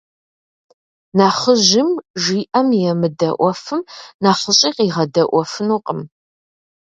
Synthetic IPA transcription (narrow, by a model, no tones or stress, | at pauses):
naːχəʒɪmʒiːʔɐmjɛmɨdɐʔʷɔfɨmnaːχəɕʼiːqiːʁɐdɐʔʷɔfɨnuːqʼəm